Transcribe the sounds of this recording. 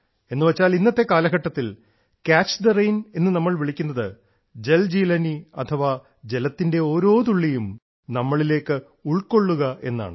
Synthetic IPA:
e̞nːɨʋɐt͡ɕːaːlinːɐt̪ːe̞kaːlɐɣɐʈːɐt̪ːil | kaːt͡ɕːd̪ɐrɐjne̞nːɨnɐmːɐɭʋiɭikʲːunːɐðɨ | d͡ʑe̞ld͡ʑiːlɐniɐt̪ʰɐʋɐ | d͡ʑe̞lɐt̪ːinde̞o̞ːɾo̞ːt̪uɭːijum | nɐmːɐɭile̞ːkːɨ | uɭko̞ɭːuɣɐʔe̞nːa̰ːɳɨ

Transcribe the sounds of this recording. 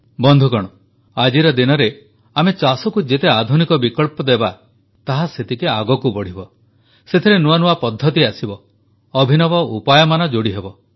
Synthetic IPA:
bɔnd̪ʱukɔɽ̃ɔ | ad͡ʒiɾɔd̪inɔɾe | amet͡ʃasɔkud͡ʒet̪ead̪ʱunikɔbikɔɭpɔd̪eba | t̪aɦaset̪ʰikeaɡɔkubɔɽ̤ibɔ | set̪ʰeɾenuanuapɔd̪ʱːɔt̪̬iasibɔː | bʱinɔbɔupajɔmanɔd͡ʒoɽiɦebɔ

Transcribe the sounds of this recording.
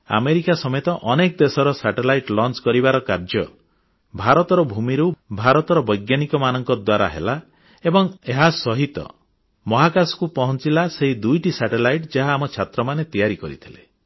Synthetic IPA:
a̰meɾikasɔmet̪ɔʔɔnekd̪esɔɾɔsaʈelajʈlɔnt͡ʃkɔɾibaɾɔkaɾd͡ʒɔ | bʱaɾɔt̪ɔɾɔbʱumiɾubʱaɾɔt̪ɔɾɔbɔjɡjanikɔmanɔŋkɔd̪waɾa̰ɦḛla | ebɔŋeɦasɔɦit̪ɔ̰ | mɔɦakasɔ̥kupɔɦɔnt͡ʃilaseɦid̪ujʈisaʈelajʈd͡ʒaɦaːmɔt͡ʃʰat̪ɾɔmanet̪ijaɾikɔɾḭt̪ʰile

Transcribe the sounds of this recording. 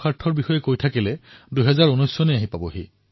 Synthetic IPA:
xaɹtʰːɔɹbixɔjɛkojtʰakilɛduɦɛzaɹunɔjsɔneaɦipabɔɦi

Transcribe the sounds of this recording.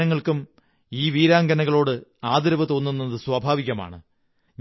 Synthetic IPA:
ɐŋːɐɭkum | iːʋiːɾaːŋɡɐnɐɣɐɭo̞ːɽɨaːd̪ɐɾɐʋɨt̪o̞ːnːunːɐðɨsʋɐbʱaːʋiɣʲɐma̰ːɳɨ | ɲ

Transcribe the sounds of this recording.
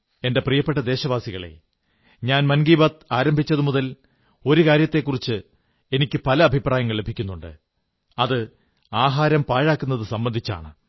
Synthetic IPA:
e̞nde̞prijɐpːeʈːɐd̪e̞ːɕɐʋaːsiɣɐɭḛ | ɲaːnmɐnɡiːbɐt̪aːɾɐmbʱit͡ɕːɐðɨmuðɐl | o̞ɾukaːɾjɐt̪ːe̞kːurit͡ɕːɨ | e̞nikʲːɨpɐlɐːbʱipraːjɐŋːɐɭle̞bʱikʲːunːuɳɖɨ̰ | ɐðɨ | aːɦaːɾɐmpaːɻaːkːunːɐðɨsɐmbɐnd̪ʱit͡ɕːa̰ːɳɨ

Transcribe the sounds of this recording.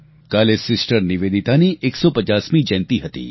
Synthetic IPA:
kaːlesɪsʈəɾniʋeːd̪it̪aniʔeːksɔpɐt͡ʃaːsmĩd͡ʒɛ̃ːnt̪iɦɐt̪ḭː

